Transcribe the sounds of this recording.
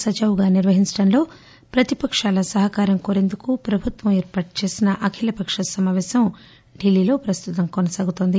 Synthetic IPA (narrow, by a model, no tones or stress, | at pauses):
sɐd͡ʒɐʋɡaːniɾʋɐɦiɲt͡ʃɐɽɐnlo̞ː | pɾɐt̪ipɐkʂaːlɐsɐɦɐkaːɾɐmkoːɾe̞nd̪ukupɾɐbʱut̪ʋɐmɛːɾpaːʈut͡ʃe̞ːsinɐʔɐkʰilɐpɐkʂɐsɐmaːʋɛːsɐm | ɖilːiːlo̞ːpɾɐst̪ut̪ɐmkonɐsaːɡut̪oːnd̪i